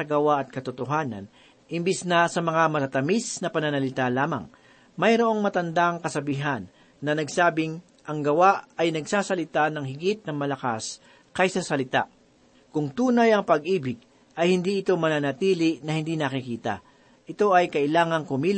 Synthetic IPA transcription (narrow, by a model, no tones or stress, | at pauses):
ɐɡɐwaʔɐt̪̚kɐt̪ʊt̪oɦaːnɐ̰n | ɪmbisnɐsɐmɐŋamɐt̪at̪ɐmisnɐpɐnɐnɐlɪt̪alaːmɐ̰ŋ | mɐjɾoʔo̞ŋmɐt̪ɐnd̪aŋkɐsɐbiɦanː | ɐnɐɡsaːbɪŋ | ʔɐŋɡɐwaʔɐjnɐɡsaːsɐlɪt̪anɐŋhɪɡit̪̚nɐŋmɐlɐka̰s | kajsɐsɐlɪt̪a̰ | kʊŋt̪uːnɐjɐŋpɐɡʔiːbɪɡ̚ | ʔɐjhɪnd̪iʔɪt̪o̞mɐnanɐt̪iːlɪnɐhɪnd̪iːnɐkɪkiːt̪ɐ̰ | ʔɪt̪o̞ʔɐjkɐʔɪlaːŋɐŋkʊmiːl